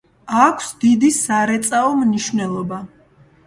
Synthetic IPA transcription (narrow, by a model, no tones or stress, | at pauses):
akʷʰsd̪id̪isaɾɛt̪sʼaɔmniʃvnɛlˠɔba